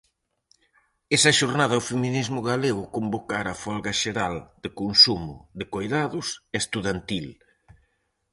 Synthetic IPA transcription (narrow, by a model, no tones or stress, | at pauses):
esɐʃoɾnaðɐʊfeminizmʊɣaleɣʊkombokaɾafɔlɣɐʃeɾald̪̥ɪkonsumʊ̰ðɪkojðaðʊseest̪uðant̪il